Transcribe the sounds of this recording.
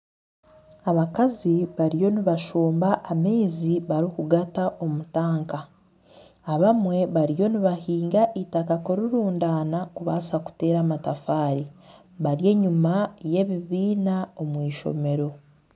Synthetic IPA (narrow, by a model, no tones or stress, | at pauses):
aβakaziβaɾijo̞niβaʃoːmbaʔːmeːziβaɾikuɡataʔo̞mutaːŋkaː | βamwe̞βaɾijo̞niβahiːŋɡaʔitakakoɾuɾuːndaːnakuβasaku̥te̞ːɾamatafaːɾi | βaɾje̞ːɲumaje̞βiβiːnao̞mwiːʃo̞̰me̞ɾo̞